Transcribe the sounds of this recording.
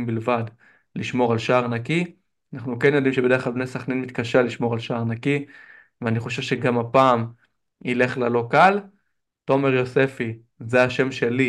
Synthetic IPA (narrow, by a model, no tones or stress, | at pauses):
mbilvad | liʃmo̞ʁalʃaːʁnaki | anaχnukenjo̞d̪imʃebede̞eχlalbnesaχnenmit̪kaʃeliʃmo̞ʁalʃaaʁnaki | veaniχo̞ʃ̬evʃe̞ɡamapaːm | ile̞χlalo̞kal | to̞me̞ʁjo̞se̞fi | zeaʃe̞mʃe̞li